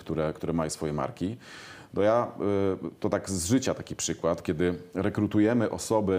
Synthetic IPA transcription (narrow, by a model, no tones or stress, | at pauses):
kt̪uɾɛkt̪uɾɛmajɔsfɔjɛma̰ɾkʲi | t̪ɔja | t̪ɔt̪aɡzʐɘt͡ɕat̪akʲipʂɘkwat̪kʲɛd̪ɘɾɛkɾut̪ujɛmɘʔɔsɔbɘ